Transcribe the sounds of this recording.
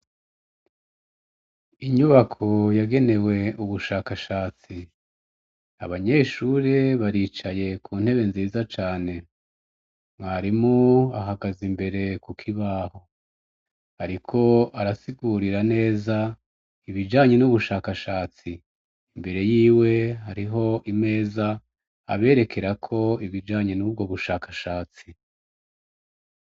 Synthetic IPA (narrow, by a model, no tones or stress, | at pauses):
iɲuβakʰo̞jaɡe̞ne̞we̞uβuʃaːkaʃaːt͡si | a̰βaɲe̞ːʃuːɾeβaɾiːt͡ʃaje̞kʰuːn̥he̞βe̞nziːzat͡ʃaːne̞ | mŋaɾimoaɦaɡazimbe̞ɾe̞kukʰiβaːho̞ | haɾikʰo̞aɾasiɡuɾiɾane̞ːza | iβid͡ʒaːɲe̞nuβuʃaːkaʃaːt͡si | imbe̞ɾe̞jiːwe̞ɦaɾiɦo̞ʔime̞ːza̰ː | βe̞ːɾe̞kʰe̞ɾakʰo̞iβid͡ʒaːɲe̞nuːb̚ɡo̞βuʃaːkaʃaːt͡si